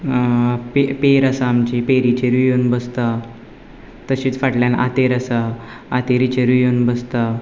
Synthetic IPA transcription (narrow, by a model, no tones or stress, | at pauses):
pepeɾəsaːmt͡ɕipeɾit͡ɕeɾijonbəst̪a | t̪əɕiːt͡sfaʈljanʔa̰t̪eɾəsa | at̪eɾit͡ɕeɾijonbəst̪a